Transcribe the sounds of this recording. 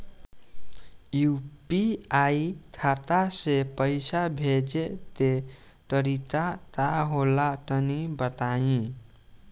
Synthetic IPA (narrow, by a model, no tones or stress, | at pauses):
jupiait̪ʰat̪asepəjsabʱed͡ʒet̪e | ʈəɾit̪at̪aɦolatənibət̪aĩ